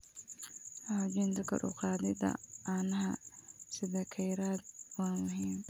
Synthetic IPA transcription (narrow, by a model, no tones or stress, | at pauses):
had͡ʒɪnt̪ʰɐkʰɐ̰ɾʊ̰qɑːd̪ɪd̪ɐ̰aːnɐɦɐsɪðɛːkʰɐjɾaːd̪̚waːnmʊɦiːm